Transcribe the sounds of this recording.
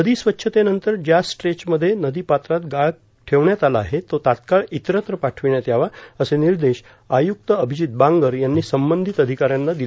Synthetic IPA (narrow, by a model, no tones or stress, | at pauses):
nəd̪iːsʋətːɕʰət̪enənt̪əɾd͡ʑjasʈɾet͡ɕməd̪ʱːjenəd̪iːpat̪ɾat̪ɡaɭ | ʈʰeʋɳjat̪alaːɦet̪ot̪at̪kaɭit̪ɾət̪ɾəpaʈʰʋiɳjat̪jaʋaəseniɾd̪eɕ | ajuk̚t̪əəbʱid͡ʑit̪̚bãŋɡəɾjanːiːsəmbənd̪ʱit̪əd̪ʱikaɾjanːad̪il